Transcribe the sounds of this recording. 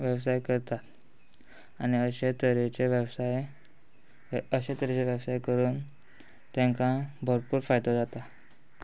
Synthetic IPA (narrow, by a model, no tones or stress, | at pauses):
ʋəbsajkəɾt̪at̪ | aniəɕet̪əɾet͡ɕeʋjəbsaj | əɕet̪əɾet͡seʋjəbsajkəɾuːn | t̪jãŋkãbʱəɾpuːɾfajd̪ad͡zat̪a